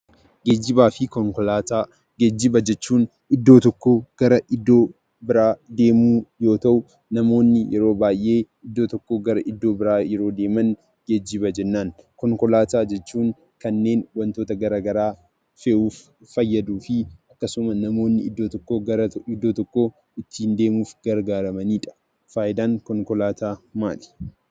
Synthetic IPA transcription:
ɡeːd͡ʒːɪbaːfɪkɔŋkɔlaːt̪aː | ɡed͡ʒːɪbɐd͡ʒɛt͡ʃːuːn | ɪd̪ːoːt̪ɔkːoːɡ̥ɐɾɐʔɪd̪ːo̞ː | bɪɾaːd̪e̞ːmuːjo̞ːt̪ɐʔʊ | nɐmo̞ːnːɪjʔɛɾo̞ːbaːjʔe̞ː | ɪd̪ːo̞ːt̪ɔkːoːɡɐɾɐʔɪd̪ːo̞ːbɪɾaːjɛɾo̞ːd̪e̞ːmɐn | ɡ̥ed͡ʒːɪbɐd͡ʒɛnːaːnkɔŋkɔlaːt̪aːd͡ʒɛt͡ʃːuːŋ | kɐnːe̞ːnwɐnt̪o̞ːt̪ɐɡɐɾaːɡɐɾaː | feʔuːfː | ɐjːɐd̪uːfɪʔɐkːɐsʊmɐnɐmo̞ːnːɪɪd̪ːoːt̪ɔkːoːɐɾɐɪd̪ːo̞ːt̪ɔkːoː | ɪt̪ːiːnd̪e̞ːmuːfɡ̥ɐɾɡaːɾɐmɐniːᶑɐ̥ | faːʔɪd̪aːŋkɔŋkɔlaːt̪ʰaːmaːlɪ̥

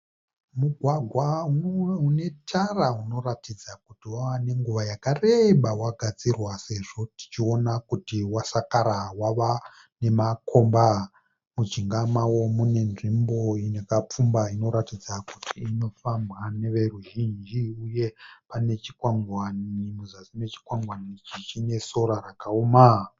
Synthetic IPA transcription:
muɡʱwaɡʱwa | une̞tʰarauno̞ratid͡zakutiwawane̞ŋɡuʋajakare̞ɓawaɡʱad͡zirwase̞ʐo̞ti̥t͡ʃio̞nakutiwasakaɾawaʋa | ne̞makʰo̞mba | mud͡ʒiŋɡamawo̞mune̞nʐimbo̞ine̞kap͡fumbaino̞ɾatid͡zakutʰiːno̞fambwane̞ʋe̞ruʒind͡ʒiuje̞pane̞t͡ʃikwaŋɡwanimuzasine̞t͡ʃi̥kwaŋɡwanit͡ʃit͡ʃine̞so̞ɾarakaoma

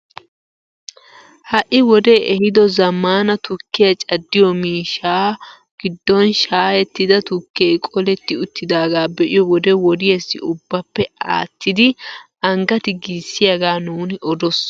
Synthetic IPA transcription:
hɐʔɪwɔd̪eːʔɛhɪd̪ɔzɐmːaːnɐt̪ʊkːɪjɐt͡ʃʼɐd̪ːɪjɔmiːʃaː | ɡ̥ɪd̪ːɔnʃaːjɛt̪ːɪd̪ɐt̪ʊkːeːjkʼɔlɛt̪ːɪʊt̪ːɪd̪aːɡaːbɛʔɪjɔwɔd̪ɛwɔd̪ɪjɛsːɪ̰ʊbːɐpːɛa̰ːt̪ːɪd̪ɪ | ɐŋɡɐt̪ɪɡisːɪjɐɡaːnuːnɪʔɔd̪ɔs

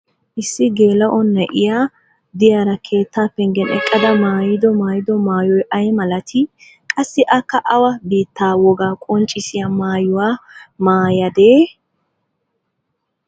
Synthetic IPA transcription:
ʔɪsːɪɡeːlɐʔɔnːɛʔɪjaː | d̪ɪjaːɾɐkʰe̞ːt̪ːaːpːɛŋɡɛnɛ̰kʼːɐd̪ɐmaːjɪd̪ɔmaːjɪd̪ɔmaːjɔjʔɐjmɐlɐt̪ʰɪ | kʼɐsːɪʔɐkːɐʔɐwɐbiːt̪ːaːwɔɡaːkʼɔnt͡ʃʼɪsɪjamaːjʊwaːmaːjɐd̪eː

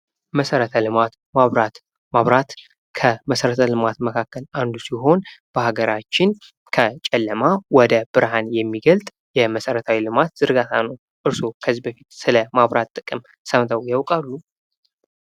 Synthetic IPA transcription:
məsəɾət̪ʰəlɨmat̪ | maβɾat̪ | maβɾat̪ | kʰəməsəɾət̪ʰəlɨmat̪məkʰakːəland̪usiɦo̞nb̥əhaɡəɾat͡ʃːɪn | kʰət͡ʃʼɛlːəmawɔd̪əb̥ɨɾhanjɛmːiɡəlt̪ʼ | jɛməsəɾət̪ʰawilɨmat̪z̥ɨɾɡat̪ʰa̰nəw | ʔɨɾso̞kʰəzibəfit̪sɨləmaβɾat̪ʼːɨkʼɨm | səmt̪ʰəwjawkʼalːu

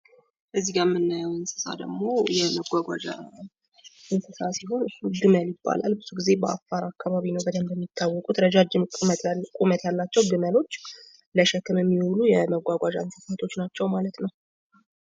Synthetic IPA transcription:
ʔɨzːiɡamːɨnːajəwɨnsɨ̥sa̰d̪əɡmo̞jɛməɡʷaɡʷa̰d͡ʒa̰ | ʔɨnsɨsasiɦo̞nɡɨməljɪbːa̰la̰lbɨzuɡize̞bəʔa̰fːaɾakːaβaβinəwbəd̪əmbəmːit̪ʰːawːɔkʼut̪ɾəd͡ʒad͡ʒʼt̪kʼumət̪jalːat͡ʃːɛwɡɨməlo̞t͡ʃː | ləʃɛkːɨmjɛmːihulujɛməɡʷaɡʷad͡ʒaɨnsɨsat̪ʰo̞t͡ʃːnat͡ʃːɛwmalət̪nəw

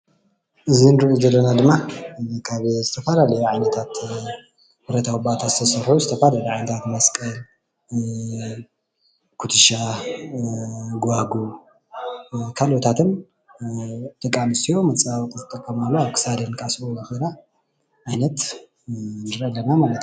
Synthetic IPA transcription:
ʔɨzinɨɾuzɐlːɐnad̪ɨmːakʰaβzɨt̪ʰɐfalalɐjuʕajnɐt̪ʰat̪ | bɨɾɐt̪ʰawɨbat̪ʰazɨt̪ʰɐsɐɾħuzɨt̪ʰɐfalaluʕajnɐt̪ʰat̪mɐskʼɐl | kʰut̪ʰɨʃa | ɡaɡu | kʰalot̪ʰat̪ʰɨn | d̪̥ʼɐkʼːanɨsijo̞mɐt͡sʼawt̪ʼzɨt̪ʼɐkʼːɐmalːoaβkʰɨ̥sad̪enkʼasʔoɐxela | ʕajnɐt̪ | nɨɾʔelːɐnamalɐt̪

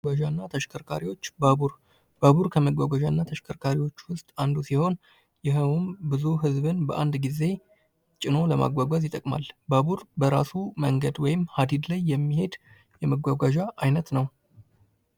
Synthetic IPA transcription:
aʒanːat̪ʰəʃkʰəɾkʰa̰ɾiwo̞t͡ʃːbabuɾ | baβuɾkʰəməɡʷaɡʷaʒanːat̪ʰəʃkʰəɾkʰaɾiwo̞t͡ʃːwʊst̪ʼand̪usiho̞n | jɪɦəwmbɨzuɦɨzβɨnbəʔand̪ɡize̞ | t͡ʃʼɪno̞ləma̰ɡʷaɡʷazjɪt̪ʼːəkʼma̰lbaβuɾbəɾasuməŋɡəd̪wɔjɪmhad̪id̪lajːɛmːihe̞d̪ | jɛməɡʷaɡʷaʒaʔajnət̪nəw

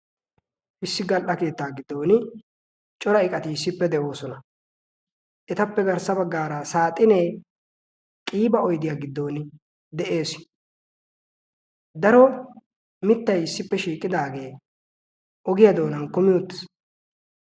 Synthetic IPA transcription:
ʔɪsːɪɡɐlʔɐke̞ːt̪ːaːɡɪd̪ːo̞ːnɪ | t͡ʃʼɔɾɐɪkʼɐt̪ɪɪsːɪpːɛd̪ɛo̞ːsɔnɐ | ʔɛt̪ɐpːɛɡɐɾsɐbɐɡːaːɾɐsaːt̪ʼːɪneː | kʼiːbɐɔjd̪ɪjaːɡɪd̪ːo̞ːnɪ | d̪ɛʔe̞ːs | d̪ɐɾɔ | mɪt̪ːɐjɪsːɪpːɛʃiːkʼɪd̪aːɡe̞ː | ʔɔɡɪjɐd̪o̞ːnɐnkɔmɪjot̪ːɪ̥s

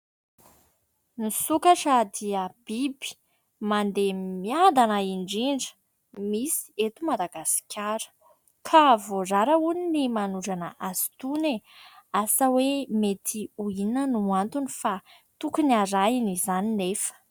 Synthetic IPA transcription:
nisukaʈ͡ʂəd̪iəb̥ibi̥ | mand̪emiad̪anaiɳɖ͡ʐiɳɖ͡ʐə̥ | misi̥et̪umad̪aɡasi̥kʲʰaɾə̥ | kʰavoraɾəuninimanuɖ͡ʐanə̰ʔaz̥i̥t̪uneasəwemet̪ʰiuinənuant̪unifa | t̪ukuniaɾainizaninefə̥

